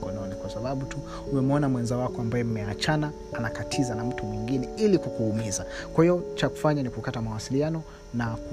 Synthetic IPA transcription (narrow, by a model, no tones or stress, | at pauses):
kɔnɔnikwasaɓaɓutu | umɛmɔnamwɛnzawakɔambajɛm̩mɛat͡ʃanaːnakatʰizanam̩tumwiŋɡinɛilikukuhumizakwahiɔt͡ʃaku̥faɲanikukatamawasilianɔ | nak